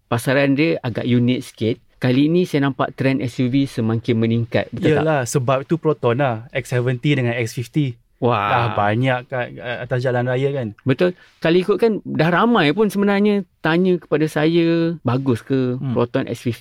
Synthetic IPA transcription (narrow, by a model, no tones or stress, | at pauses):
pasaɾandiəaɡa̰ʔjunɪt̪̚skɪt̪̚kaliːnĩsajanãmpa̰ʔt̪ɾɛnʔɛsuvisəmãŋkɪnməniŋka̰t̪̚bət̪alahsəbap̚it̪upɾɔt̪ɔnlahɛk̚sɛvənt̪idəŋanɛk̚sfift̪i | waaahbaɲaʔkaəat̪asd͡ʒalanrajakanbət̪ʊl | kaloikʊt̪̚kandahramãjpʊnsəbənarɲãt̪aɲə̃kə̥padasajabaɡʊskəpɾot̪ɔnʔɛ̰k̚sfift̪i